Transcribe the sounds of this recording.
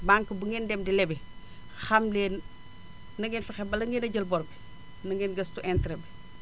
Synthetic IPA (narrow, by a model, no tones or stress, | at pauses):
baŋkəbuŋɡɛndɛmdilɛbi | xɐmleːnː | ɐŋɡɛnfɐxɛbɐlɐŋɡenɐɟəlbɔɾbi | nɐŋɡɛnɡɐstuʔɛntɾɛbi